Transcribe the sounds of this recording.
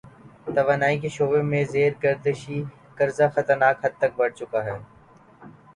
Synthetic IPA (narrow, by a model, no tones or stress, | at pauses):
t̪əʋaːnaːiːkeʃoːbẽːmẽːzeːɾɡəɾd̪əʃiː | kəɾzaːxət̪əɾnaːkɦəd̪̚t̪ək̚bəɽ̤t͡ʃʊkaːɦɛː